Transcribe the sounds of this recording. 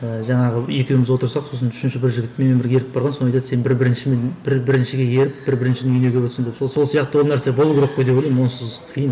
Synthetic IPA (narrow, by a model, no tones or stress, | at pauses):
əʒɑɴɑʁəje̞kʲewɪmɪzwo̞t̪əɾsɑqso̞sənʏ̥ʃɪnʃɪbɪɾʒɪɡʲɪt̪me̞membɪɾɡʲeeɾɪk̚bɑɾʁɑnsoɑjt̪ɑd̪se̞nbɪɾbɪɾɪnʃɪmenbɪɾbɪɾɪnʃɪɡʲejeɾɪp̚bɪɾbɪɾɪnʃɪneyjne̞ɡʲe̞wøt̪sɪnd̪epsoso̞lˠsijɑq̚t̪ɑwolˠnæɾsebo̞lˠuɡʒo̞qːojd̪epolʲˠejmwo̞nsəzqʰijən